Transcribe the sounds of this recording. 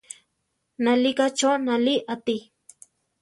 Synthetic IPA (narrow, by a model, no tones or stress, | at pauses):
nalikat͡ʃonaliʔat̪i